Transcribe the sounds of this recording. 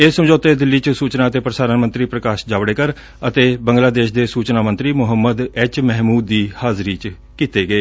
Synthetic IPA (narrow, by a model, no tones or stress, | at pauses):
eːsəmd͡ʒoːt̪eːd̪ɪlːiːt͡ʃsuːt͡ʃnaːət̪eːpɾəsaːɾənmənt̪ɾiːpɾəkaːʃd͡ʒaːbɽeːkəɾ | ət̪eːbəŋɡlaːd̪eːʃd̪eːsuːt͡ʃnaːmə̃nt̪ɾiːmʊɦəmːəd̪ɛːt͡ʃmɛɦmuːd̪ːiːhaːzɾiːt͡ʃ | kiːt̪eːɡəeː